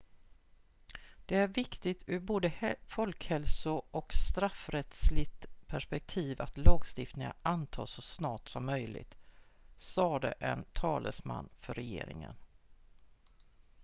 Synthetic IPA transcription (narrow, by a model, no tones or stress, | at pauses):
d̪̥ɛæɾvɪkt̪ɪt̪ɵɾboːd̪əfɔlkhɛlsʊɔkst̪ɾafɾɛt̪slɪt̪pʰæʂpɛk̚t̪ʰiːva̰t̪lɑːɡst̪ɪft̪nɪŋa̰ant̪ʰɑ̰ːsɔsnɑːʈsɔmːœjlɪ̰t̪sɑːd̪ɛ̰ʔɛnt̪ʰɑːlə̰sma̰nːfœɾɛjḛːɾɪŋə̰n